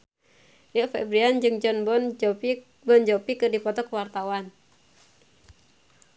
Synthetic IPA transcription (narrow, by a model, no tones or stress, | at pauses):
jəfɛ̰bɾiand͡ʒɨŋd͡ʒɔnbn | bɔnd͡ʒɔpikɨrdipɔt̪ɔkwart̪awan